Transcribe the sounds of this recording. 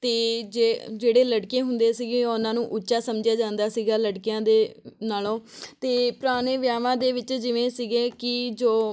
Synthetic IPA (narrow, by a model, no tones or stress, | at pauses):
t̪eːd͡ʒed͡ʒeːɽeːləɽkẽːɦʊnd̪eːsiɡẽːʊnãːnũːʔʊtːʃaːsəmd͡ʒjaːd͡ʒãːnd̪aːsiːɡaːləɽkɪjãːd̪eːnaːlõːt̪eːpʊɾaːɽ̃eːʋjaːʋãːd̪eːʋɪt͡ʃd͡ʒɪʋẽːsiɡeːkɪd͡ʒoː